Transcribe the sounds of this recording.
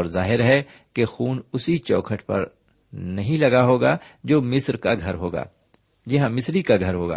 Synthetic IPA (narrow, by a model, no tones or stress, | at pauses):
ɔːɾzaːɦɪɾɦɛ | kexuːnʊsit͡ʃɔːkʰəʈpɐ̰ɾ | nɐɦĩlɐɡaɦoːɡad͡ʒoːmɪsɾkaɡʱɐɾɦoːɡa̰ː | d͡ʒɪɦãmɪsɾikaɡʱɐɾɦoːɡa̰ː